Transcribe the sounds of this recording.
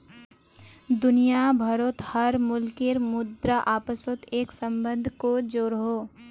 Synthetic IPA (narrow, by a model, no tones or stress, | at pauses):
d̪ʊnijabʱəɾot̪həɾmʊlkɪɾmʊd̪ɾəʔaːpəsot̪eːksə̃mbə̃nd̪ʱkod͡ʒoːɾɦoː